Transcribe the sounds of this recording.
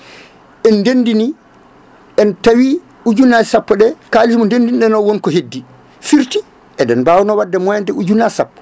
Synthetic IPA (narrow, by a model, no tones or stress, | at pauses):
ʔɛndendini | ʔɛntawi | ud͡ʒunːasapːɔɗɛkaliimɔndendinɗɛnɔwonkɔɦedːi | fiɾti | ʔɛdɛnbawnɔwadːɛmɔjandɛud͡ʒunːasapːɔ̥